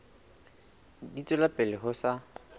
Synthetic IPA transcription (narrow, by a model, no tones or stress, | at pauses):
dit͡sʼɔlapʼɛlɪɦʊsa